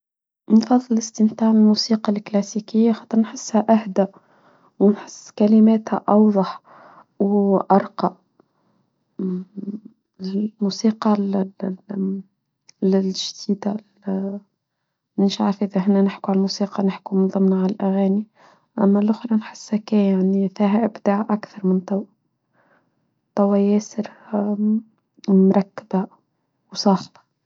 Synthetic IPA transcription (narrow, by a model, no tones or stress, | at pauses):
nfɑðˤːələst̪əmt̪aːʕɪlmusiːqɑlklæsikɪjːaxɑt̪ˤəɾˤnħəsːhæʔahd̪æ | wnħəsːkælɪmɛːt̪hæ̰ʔɑwðˤɑħ | wʔɑɾˤqɑ | musiːqɑl | lɪlʒd̪iːd̪a | nɪʃʕa̰ɾˤfʔɪðæɦɪnːænɪħkuʕalmusiːqɑnɪħkumənðˤəmnaʕalalʔæɣæːni | ʔæ̰mːælʔʊxɾˤɑnħə̥sːækɛjaʕnifiɦæʔɪbd̪aʕʔakθɑɾˤmənt̪ˤɑw | t̪ˤːɑwːæjɛːsəɾ | mɾˤɑkːəba | wsˤɑːxbḁ